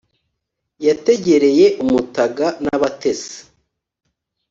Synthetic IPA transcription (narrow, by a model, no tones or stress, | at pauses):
jate̞ɟe̞ɾe̞je̞ʔumutaɡanaβate̞sḁ